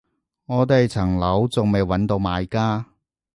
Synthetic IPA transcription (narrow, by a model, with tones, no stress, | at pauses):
ŋɔː˨˧t̪e˨jt͡sʰɐ˨˩ŋlɐ˨˥wt͡sʊ˨ŋme˨˩jwɐ˨˥nt̪o˧wmaː˨˧jkaː˥